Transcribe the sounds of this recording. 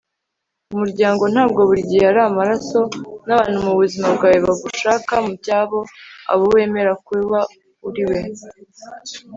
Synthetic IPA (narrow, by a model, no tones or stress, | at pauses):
umuɾɟaːŋɡo̞n̥haːb̚ɡo̞βuɾɟiːaɾamaɾaso̞naβaːn̥humuβuzimabɡaːjiβaɡuʃaːkamubjɟaːβo̞a̰βowe̞ːme̞ɾakwiβa | uɾiwe